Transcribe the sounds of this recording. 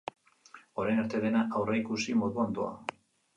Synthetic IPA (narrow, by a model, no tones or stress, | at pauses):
o̞ɾejnaɾt̪e̞ðe̞naʔawreikusimo̞ðuand̪oa̰